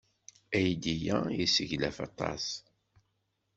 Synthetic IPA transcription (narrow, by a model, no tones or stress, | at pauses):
æjd̪ijæjisəʝlæfɑt̪ˤɑ̰s